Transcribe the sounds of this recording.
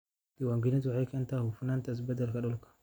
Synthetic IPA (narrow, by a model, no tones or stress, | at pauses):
diwaŋɡinat̪wʕakɐnt̪ahufunant̪as̬bɐd̪alkaɗɔlkḁ